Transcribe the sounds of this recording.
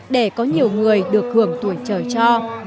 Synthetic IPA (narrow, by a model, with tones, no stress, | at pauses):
ɗe˧˩kɔ˨˦ɲi˨˩əwŋɨ˨˩əjɗɨ˨˩ək̚hɨ˧˩əŋt̪u˧˩əjt͡ɕəː˧˩jt͡ɕɔ˧